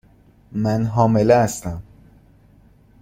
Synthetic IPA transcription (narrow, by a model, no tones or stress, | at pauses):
mænɦɒːmeleæst̪æm